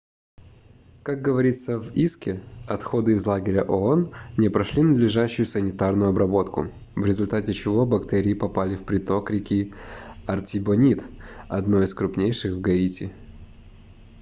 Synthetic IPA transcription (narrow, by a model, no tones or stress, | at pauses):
kak̚ɡəvɐɾʲit̪səviskʲɪɐt̪xo̞d̪ɨɪzlˠaɡʲɪɾʲəʔoonnʲɪpɾɐʂlʲinəd̪lʲɪʐaɕːʊjʊsənʲɪt̪arnʊjʊɐbɾɐbo̞t̪kʊ̰vɾʲɪzʊlʲt̪atʲɪt͡ɕɪvo̞bɐkt̪ɛɾʲɪːpɐpalʲɪfpɾʲɪt̪o̞kɾʲɪkʲiɐrtʲɪbɐnʲit̪ɐ̰d̪no̞ɪskɾʊpnʲejʂɨxvɡɐitʲɪ